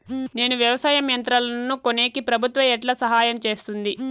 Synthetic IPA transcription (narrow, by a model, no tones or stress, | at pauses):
ne̞ːnuʋjɐʋɐsaːjɐmjɐnt̪ɾɐlɐnːukoneːkipɾɐbʱut̪ʋɐɛʈlɐsɐɦaːjɐmt͡ʃe̞ːst̪und̪i